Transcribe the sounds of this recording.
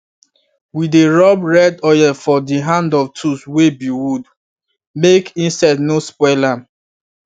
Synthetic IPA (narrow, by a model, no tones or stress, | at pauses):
wideɹɔbɹɛdɔjɛfɔdiɦãndɔftʰuswebiwud | mekĩnsaɪdnospɔlam